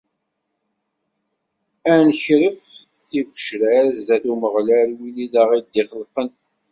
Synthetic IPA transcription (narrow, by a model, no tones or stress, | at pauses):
ænçɾəf | θivə̥ʃɾæɾzðæθuməʁlæɾwiliðaʁild̪ːiχəlqən